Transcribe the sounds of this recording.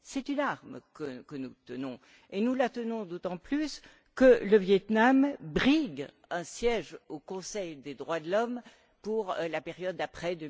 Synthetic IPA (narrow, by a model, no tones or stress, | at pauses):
sɛt̪ynaʁmkəkənut̪ənɔ̃ | enulat̪ənɔ̃d̪ot̪ɑ̃plys | kələvjɛt̪nambʁiɡ | ɛ̃sjɛʒokɔ̃sɛjd̪ed̪ʁwad̪əlɔm | puʁlapeʁjɔd̪ːapχɛd̪ə